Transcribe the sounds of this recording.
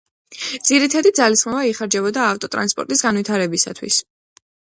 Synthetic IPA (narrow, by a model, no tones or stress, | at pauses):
d̪z̥iɾit̪ʰad̪id̪zalisχmɔvaiχaɾd͡ʒɛbɔd̪aːft̪ʼɔt̪ʼɾa̰nspʼɔ̰ɾt̪ʼisɡanvit̪ʰaɾɛbisa̰t̪ʰwḭs